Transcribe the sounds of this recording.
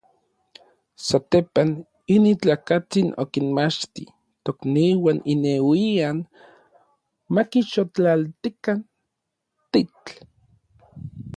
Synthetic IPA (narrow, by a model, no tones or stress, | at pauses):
sat̪epan | init͡ɬakat͡sino̰kinmat͡ʃt̪ḭ | t̪okniwanʔinewian | makiʃot͡ɬalt̪ikan | t̪it͡ɬ